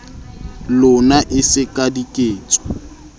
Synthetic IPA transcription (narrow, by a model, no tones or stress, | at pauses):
lʊnaʔɪsɪkʼadikʼeːt͡sʼɔ̥